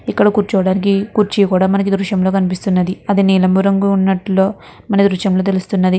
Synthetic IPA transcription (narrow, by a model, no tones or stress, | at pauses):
ikːɐɽɐkuːɾt͡ʃuʋɐɽaːnik̬ikuːɾt͡ʃikuːɽaːmɐnɐkid̪ɾuʃɐmlo̞ːkɐnip̬ist̪unːɐd̪iɐd̪iniːlɐmbuɾɐŋɡuunːɐʈlo̞ː | mɐnɐd̪ɾuʃɐmlo̞ːt̪̬e̞lust̪unːɐd̪i